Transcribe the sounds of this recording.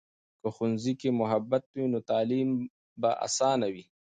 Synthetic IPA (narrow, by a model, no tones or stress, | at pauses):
kəxunzikemʊɦabat̪̚winot̪ɑːlim | baʔa̰sɑːnawi